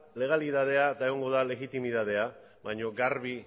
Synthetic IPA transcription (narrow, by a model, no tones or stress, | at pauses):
le̞ɣ̞aliðað̞e̞ad̪aeɣoŋɡo̞ðale̞ɣit̪imiðað̞e̞a | βajɲo̞ɡaɾβi